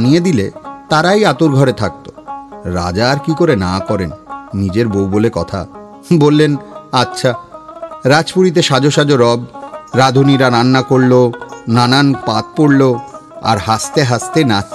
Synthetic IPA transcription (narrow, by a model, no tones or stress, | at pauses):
nijed̪ilet̪aɾajat̪oɾɡʱɔɾet̪ʰak̚t̪oɾa̰d͡ʑaɾkikoɾenakɔɾenːid͡ʑeɾbowbolekɔt̪ʰa̰ | bolːenatːɕʰa | ɾad͡ʑpuɾit̪̬eʃad͡ʑoʃad͡ʑoɾɔbɾad̪ʱuniɾaɾanːakoɽlonananpat̪̚poɽloa̰ɾɦast̪eɦast̪ena